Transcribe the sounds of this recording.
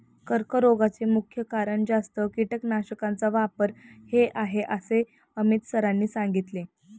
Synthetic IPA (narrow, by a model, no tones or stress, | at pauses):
kəɾkəɾoɡat͡semukʰjəkaɾəɳd͡zast̪əkiʈəknaɕəkant͡saʋapəɾheʔaɦeʔəse | əmit̪səɾanːiːsãŋɡit̪le